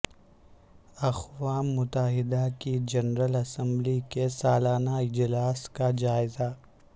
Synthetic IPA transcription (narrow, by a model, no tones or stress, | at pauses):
ɐxwaːmːʊt̪əɦɪd̪akid͡ʒɐnɾəlɐsə̃mblikesaːlaːnaɪd͡ʒlaːskad͡ʒaːɪza